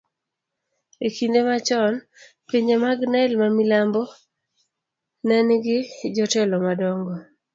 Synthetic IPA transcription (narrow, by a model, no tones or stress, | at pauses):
ekindemat͡ʃɔn | piɲd͡ʒemaɡnaɛlmamilambɔ | nɛnɡɪd͡ʒɔtɛlɔmadɔŋɡɔ